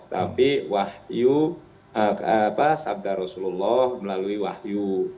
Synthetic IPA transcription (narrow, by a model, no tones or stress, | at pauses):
t̪apiwahju | əkapasab̚daɾɔsululːɔhməlaluiwahju